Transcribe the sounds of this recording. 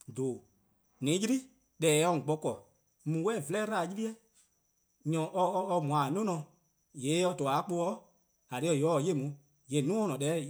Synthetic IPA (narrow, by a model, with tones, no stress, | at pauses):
doː˨ | nĩ˨˦ji˦ɾi˦ | ɗɛː˨˦ɔ̃˧˨ɡ͡bɔ˧kɔ˨ | mũ˨wɛː˦˨vlɛː˦ɾa˦˨ji˦li˦ɛ˦ | ɲɔ̃˨ʔɔː˧mũ˨ã˨nũ˦nɔ̃˨˧ | je˨˦ɔ˧to˨a˨˦k͡po˧ɔ˦ | a˨ɾe˧˦ɔ˧˨jɔ˦˧je˦˨mũ˨˦ | je˨˦˨nũ˦ɔ̃˦nɔ̃˨ɗɛː˨˦